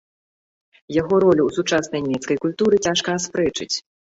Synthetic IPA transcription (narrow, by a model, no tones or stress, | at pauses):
jaɣɔɾɔlʲuwsut͡ʂasnɐjnʲmʲɛt̪skɐjkulʲt̪uɾɨt͡sʲaʂkɐaspɾɛt͡ʂɨ̰t͡sʲ